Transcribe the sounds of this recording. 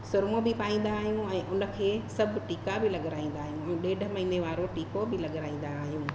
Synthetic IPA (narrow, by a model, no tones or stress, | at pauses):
sʊɾmobɪpaːĩːn̆d̪aːɦijũɛ̃ːʔʊnə̆kʰeːsɐbʱʈiːkabɪlɐɠɾaːĩːn̆d̪aːɦjũɛ̃ːɗeːɖʱə̆mɐɦineʋaːɾoʈiːkobɪlɐɠɾaːĩːn̆d̪aːɦijũː